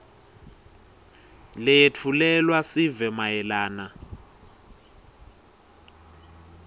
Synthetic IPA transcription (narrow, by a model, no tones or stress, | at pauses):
lɛjetʰulɛlwasivɛmajɛlaːna